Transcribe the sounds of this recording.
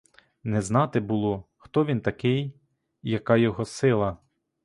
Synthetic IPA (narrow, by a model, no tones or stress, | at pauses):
nɛznɑt̪ɪbʊlˠɔ | xt̪ɔʋʲint̪ɐkɪjː | ɐkɑjɔɦɔsɪlˠɐ